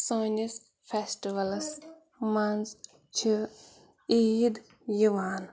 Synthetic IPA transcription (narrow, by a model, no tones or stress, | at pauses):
soːnʲis | fesʈiʋɐls | mɐnz | t͡ʃʰi | id̪ | jiʋaːn